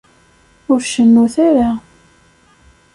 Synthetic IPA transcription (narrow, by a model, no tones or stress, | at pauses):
ʊɾʃəmːuθaɾa